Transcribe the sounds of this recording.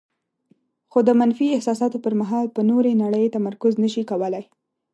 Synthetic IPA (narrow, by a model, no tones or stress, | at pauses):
xod̪əmanfiɪhsɑsɑt̪opəɾmaɦɑlpənoɾenaɽəjet̪amaɾkʊznəʃikawəlaj